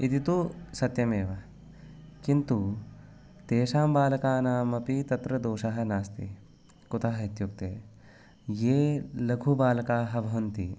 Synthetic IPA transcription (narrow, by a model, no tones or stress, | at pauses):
it̪it̪usɐt̪jɐmeːʋɐ | kint̪u | t̪eːʃaːmbaːlɐkaːnaːmɐpit̪ɐt̪ɾɐd̪oːʃɐɦɐ̆naːst̪i | kut̪ɐːɦɐit̪juk̚t̪eː | jeːlɐɡʱubaːlɐkaːɦɐbʱɐʋɐnt̪ḭ